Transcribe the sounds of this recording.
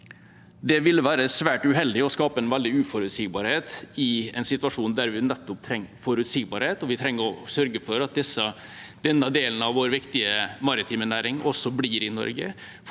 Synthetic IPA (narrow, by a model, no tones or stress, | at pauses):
d̪ɛʋɪlːʋæːɾəsʋæːʈʉɦɛld̪ɪɔskɑːpəɛnʋɛld̪ɪʉːfɔɾʉt̪siːɡ̚bɑːɾheːt̪ɪɛ̰nsɪt̪ʉɑʂuːnd̪æɾʋɪnɛt̪ːɔp̚t̪ʰɾɛŋːfɔɾʉt̪siːɡbɑːɾheːt̪ɔʋɪt̪ʰɾɛŋːəɾɔsœɾɡəfɔɾɑt̪̚d̪ɛsːə | d̪̥ɛnːəd̪eːln̩ɑʋːoːɾʋɪkt̪ɪəmɑɾɪt̪ʰiːmənæːɾɪŋʔɔsːɔbliɾɪnɔ̰ɾɡə̰